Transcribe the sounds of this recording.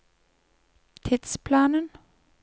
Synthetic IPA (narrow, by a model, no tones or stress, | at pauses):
t̪ʰɪd̪̥spʰlɑːnən